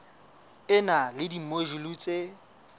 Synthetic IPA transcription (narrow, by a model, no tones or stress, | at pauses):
ɪnalɪdimoʒuluːt͡sʼe